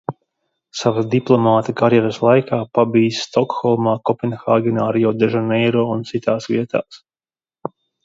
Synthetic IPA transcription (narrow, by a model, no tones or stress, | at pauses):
savad̪iplˠɔmaːt̪akaɾjɛɾəslˠajkaːpabiːsːt̪ɔkxɔlˠmaːkɔpɛnxaːɡɛnaːɾjɔd̪ɛʒanɛjɾɔːunt̪sit̪aːsvʲḭɛt̪a̰ːs